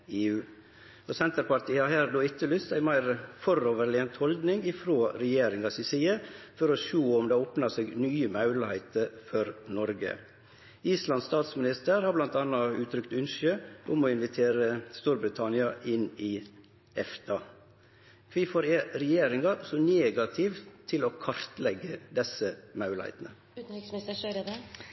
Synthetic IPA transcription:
eːʉː | osɛnt̪əɾpɑɾʈ̪iːhɑɦæːɾd̪oːɪk̪ːəlʏst̪æɪmæɪɾfɔɾoːʋəɾɭɪənt̪hɔld̪nɪŋɪfɾoːɾɛjeːɾɪŋɑsɪsiːəfɔɾoʃoːɔmd̪eoːpnɑseːɡnyːəmɑʉləhæɪt̪əɾfɔɾnɔɾɡə̰ | iːslɑnst̪ɑːt̪smɪnɪst̪əɾhɑɾblɑnt̪ɑnːɑʉːt̪ʰɾʏkt̪ʉnʃøʔʊmɔɪnʋɪt̪ʰeːɾəst̪uːɾbɾɪt̪ʰɑnɪɑʔɪnɪ | ɛft̪ʰɑ | kʰʋiːfɔɾeɾɛjeːɾɪŋɑsɔneːɡɑt̪ʰɪʋt̪ʰɪloːkʰɑɾt̪lɛɡəd̪ɛsəmɑʉlhæ̰ɪt̪nə̰

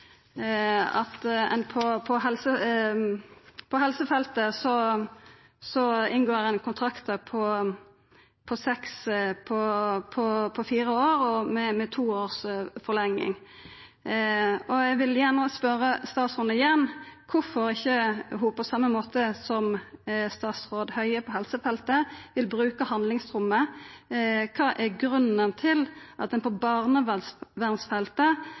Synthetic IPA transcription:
ɑ̰t̪ɛ̰npʰɔpʰɔɦɛlsə | pʰɔɦɛlsəfɛlt̪əsɔ | sɔɪnɡoːɛnkʰʊnt̪ʰʁɑkt̪əpʰɔ | pʰɔsɛkspʰɔpʰɔpʰɔfiːɾəoːɾɔmɛmɛt̪ʰuːoːʁsfɔʁlɛŋːɪ̰ŋ | ɔɛʋɪljæʁnəspœɾəst̪ɑːt̪sɔnəɪjɛnːkʰʊfɔɾɪçːəɦʊpʰɔsɑmːəmoːt̪əsɔmst̪ɑːt̪sʁoːd̪hœʏəpʰɔhɛlsəfɛlt̪əʋɪlbɾʉːkəhɑnlɪŋst̪ɾʊmːə | kʰɑːʔæʁɡɾʉnənt̪ʰɪlʔɑt̪d̪ɛnpʰɔbɑʁnəʋsʋæʁnsfɛlt̪ə

